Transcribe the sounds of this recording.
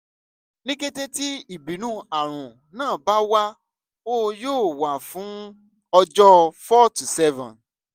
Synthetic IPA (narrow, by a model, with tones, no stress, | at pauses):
nĩ˦ɡe˦te˦ti˦i˦˨bi˨˦nũ˦a˨ɾ̃ũ˨ | nãː˦˨ba˦wa˦ | o˦joː˦˨wa˨fũ˨˦ | ɔ˧d͡ʒɔ˦fɔ˦tu˨sɛ˦vɔ̰̃˨